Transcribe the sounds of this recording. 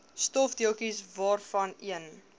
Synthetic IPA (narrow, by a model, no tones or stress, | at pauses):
stɔfdiəlˠkisvɑːrfɐniən